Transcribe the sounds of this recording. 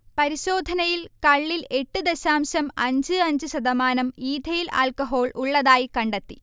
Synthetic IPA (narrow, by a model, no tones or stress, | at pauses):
pɐɾiɕoːd̪ʱɐnɐjilkɐɭːile̞ʈːɨd̪eɕaːmɕɐmɐɲd͡ʑɨɐɲd͡ʑɨɕɐd̪ɐmaːnɐmiːd̪ʱɐjila̰ːlkɐɦo̞ːɭʔuɭːɐðaːjikɐɳɖet̪ːi